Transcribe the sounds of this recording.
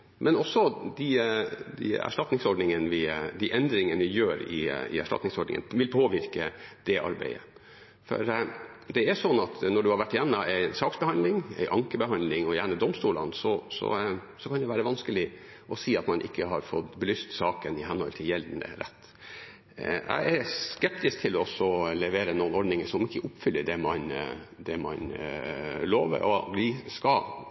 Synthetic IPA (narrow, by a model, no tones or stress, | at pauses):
mɛnɔsːɔd̪ɪd̪ɪ̰æ̰ʂʈɑt̪nɪŋsɔɖɳnɪŋənʋɪd̪ɪʔɛnd̪ɾɪŋənəʋɪjøːɾɪ̰ɪ̰æ̰ʂʈɑ̰t̪nɪŋsɔɖɳɪŋə̰nʋɪlpʰoːʋɪɾkəd̪̥ɛʔɑ̰ɾbæ̰ɪə̰ | fɔ̰ɾd̪ɛæsɔnːɑt̪nɔɖʉhɑɾʋæʈːɪjɛnːəʔæɪsɑːksbəhɑnd̪lɪŋæ̰ɪʔɑŋkəbəɦɑnd̪lɪŋɔjæɳəd̪ɔmst̪uːlɑ̰nsɔsɔ̰ | sɔkʰɑnd̪ɛʋæːɾəʋɑnskəlɪ | ʔɔsiːɑt̪mɑnʔɪ̰kːəɦɑɾfɔt̪ːbəlyːst̪sɑːkənɪɦɛnhɔ̰lt̪ʰɪljɛld̪n̩ə̰ɾɛ̰t̪ː | ʔæ̰ɪʔæɾskɛpt̪ɪsk̚t̪ʰɪlɔsɔlɛʋeːɾənuːənɔɖnɪŋəʂɔmɪkːəʔʊpfʏlːəɖɛmɑnd̪ɛmɑ̰n | loːʋə̰ɾʔɔ̰bliːskɑ